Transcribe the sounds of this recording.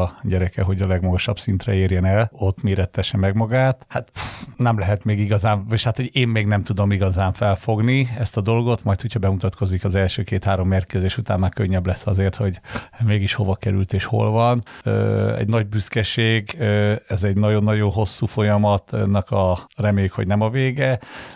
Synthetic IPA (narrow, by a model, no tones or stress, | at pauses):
ɒɟɛɾɛkɛɦo̞ɟɒlɛɡmɒɡoʃɒb̥sint̪rɛeːrjɛnɛlo̞t̪ːmeːɾɛt̪ːɛʃɛmɛɡmɒɡaːt̪hat̪nɛmlɛɦɛt̪meːɡiɡɒzaːɱʃhat̪ho̞ɟeːmːeːɡnɛmt̪ud̪o̞miɡɒzaːɱfɛlfo̞ɡniɛst̪ɒd̪o̞lɡo̞t̪mɒjt̪ho̞chɒbɛmut̪ɒt̪kʰo̞zikɒzɛlʃøːkeːt̪haːɾo̞mːeːrkezeːʃut̪a̰ːmːaːkøɲːɛblɛsːɒzeːrt̪ho̞ɟmeːɡiʃho̞vɒkɛɾylt̪eːʃho̞̰lvɒnø̰ːɛ̰ɟnɒɟ̚byskɛʃeːɡøɛzɛɟnɒɟo̞nːɒɟonɦo̞sːuːfo̞jɒmɒt̪nːɒkɒrɛmeːjykho̞̰ɟnɛmɒveːɡɛ